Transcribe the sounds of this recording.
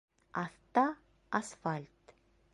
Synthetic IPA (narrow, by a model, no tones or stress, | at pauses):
aθt̪a | asfalʲt̪